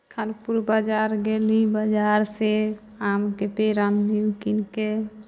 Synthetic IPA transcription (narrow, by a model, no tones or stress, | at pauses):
kʰanpuɾbad͡ʒaɾɡelibad͡ʒaɾse | amkepeɾanliukinke